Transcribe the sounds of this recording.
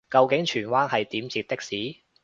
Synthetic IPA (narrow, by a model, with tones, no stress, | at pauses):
kɐ˨˧wkɪ˨˥ŋt͡ʃʰyː˨˩nwaː˥nhɐ˨jt̪iː˨˥mt͡siː˧t̚t̪ɪ˥k̚siː˨˥